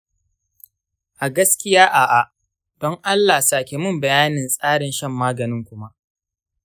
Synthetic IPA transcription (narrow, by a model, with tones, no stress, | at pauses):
ʔa˨ɡɐ˦skʲɪ˦jaː˦ʔa˨ʔa˨ | d̥ɔ˦ŋʔa˦lːaː˨saː˨kʲe˨mʊ˦mbɐ˨jaː˦nɪ˨nsʼaː˦ɽɪ˨nʃɐ˦mːaː˦ɡɐ˨nɪ˦ŋkʷʊ˦ma˦ʔ